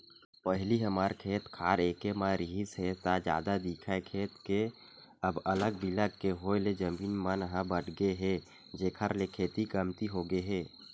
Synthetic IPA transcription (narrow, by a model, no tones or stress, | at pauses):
pəɦliɦəmaːɾkʰeːt̪kʰaːɾeːkemãɾɪɦisɦɛt̪ad͡ʒa̰ːd̪ad̪ikʰaekʰeːt̪ke | əbələɡbiləɡkeɦoːeled͡ʒəmbiːnmanɦãbəʈʰɡəeɦɛ | d͡ʒeːkʰəɾlekʰeːt̪ikəmt̪iɦoɡeɦɛː